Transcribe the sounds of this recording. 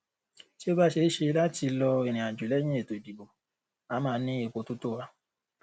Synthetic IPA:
ti˦o˦ba˦ʃe˧˦ʃe˧la˦ti˧lɔ˧e˨ɾ̃ĩ˨a˨d͡ʒu˨lɛ˦j̃ĩ˦e˦˨to˨i˨bi˨bo˨ | a˨˦mãː˦nĩ˦e˦˧˨k͡po˧tu˦to˦wa˧

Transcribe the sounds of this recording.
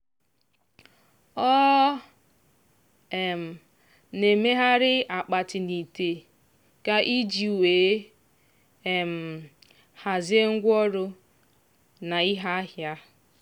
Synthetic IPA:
ɔ˦ | e˨m̩˨ | ne˨me˦ɦa˦ɾɪ˦a˨k͡pa˨tɪ˨ni˨te˨ | ka˦ʔi˦d͡ʒi˨u˨weː˨˦ | e˨m̩˨ | ha˨zɪ˦e˦ŋ̩˦ɡʷɔ˦ɾʊ˦ | na˨i˦ɦa˦a˦ɦja˦

